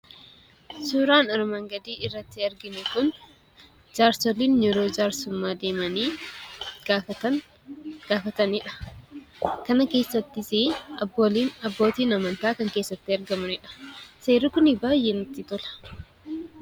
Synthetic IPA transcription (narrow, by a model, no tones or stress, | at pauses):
suːɾaːnɐɾmɐŋɡɐd̪iːɪrːɐt̪ːɪɐɾɡɪnɛkʊn | d͡ʒaːɾsɔliːnjɛɾoːd͡ʒaːɾsʊmːaːd̪e̞ːmɐniː | ɡaɐ | ɡ̥aːfɐt̪ɐnɪᶑɐ̥ | kɐnɐke̞ːsːɐt̪ːɪsɪɐboliːnɐbːo̞ːt̪iːnɐmɐnt̪aːkɐŋke̞ːsːɐt̪ːɪɐɾɡɐmɐnɪᶑɐ̥se̞ːɾikʊnɪbaːjʔeːnʊt̪ːɪt̪ɔlɐ̥